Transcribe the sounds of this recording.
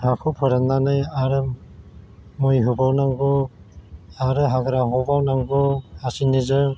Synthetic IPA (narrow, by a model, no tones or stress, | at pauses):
hakʰɯpʰɯɾanːanɯjaɾɯ | mojɦubawnaŋɡɔ | aɾɯɦaɡɾaɦɔbawnaŋɡɔasinizɯ